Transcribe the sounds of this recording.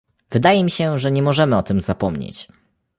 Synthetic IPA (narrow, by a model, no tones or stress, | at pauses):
vɘd̪ajɛmʲiɕɛʐɛɲɛmɔʐɛmɘɔt̪ɘmz̥apɔmɲḛt͡ɕ